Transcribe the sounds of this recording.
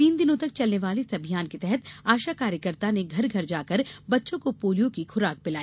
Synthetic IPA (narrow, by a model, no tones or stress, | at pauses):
t̪iːnd̪ɪnõt̪ɐk̚t͡ʃɐlneʋaːlesɐbʱijaːnket̪ɛɦɛt̪aːʃakaːɾjəkəɾt̪aneɡʱɐɾɡʱɐɾd͡ʒaːkəɾbɐtːʃõkopoːlijõkixʊɾaːk̚bɪlaːi